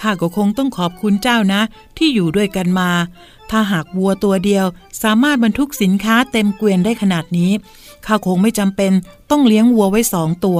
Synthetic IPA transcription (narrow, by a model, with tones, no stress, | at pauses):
k̪ʰaː˧˩kɔː˧˩kʰo˧ŋt̪ɔ˥˩ŋkʰɔː˨˩p̚kʰu˧nt͡ɕaː˥˩wna˦˥ | t̪ʰiː˥˩juː˨˩du˥˩əjka˧nmaː˧ | t̪ʰaː˥˩ɦaː˨˩k̚wu˧ɐt̪u˧ɐdi˧əwsaː˩˦maː˥˩t̪̚ba˧nt̪ʰu˦˥k̚si˩˦nkʰaː˦˥t̪e˧mkwi˧əndaː˥˩jkʰa˧naː˨˩t̪̚niː˦˥ | kʰaː˧˩wkʰo˧ŋma˥˩jt͡ɕa˧mpe˧nt̪ɔ˥˩ŋli˦˥əŋwu˧ɐwa˦˥jsɔː˩˦ŋt̪u˧ɐ